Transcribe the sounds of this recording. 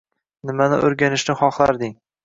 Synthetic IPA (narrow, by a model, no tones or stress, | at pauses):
nɪmanɪ̰ʔoɾɡʲanɪʃnɪχɒχlˠaɾd̪ɪŋ